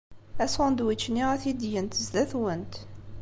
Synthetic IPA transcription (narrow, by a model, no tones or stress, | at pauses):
æsʊnd̪wit͡ʃːniʁæθid̪jənt̪əzd̪æθwənt̪